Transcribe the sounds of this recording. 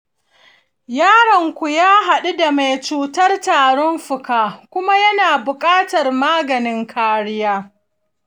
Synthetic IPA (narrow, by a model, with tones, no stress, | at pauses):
jaː˦ɽɐ˨ŋkʷu˨jaː˦ɦa˨ɗu˦da˨ma˨jt͡ʃuː˨tɐ˦rtaː˨ɽɔ˦mɸʊ˨kaː˦kʷʊ˦ma˦jɐ˦naː˨bʊ˨kʼaː˦tɐ˨rmaː˦ɡɐ˨nɪ˦ŋkʰaː˦ɽɪ˦jaː˦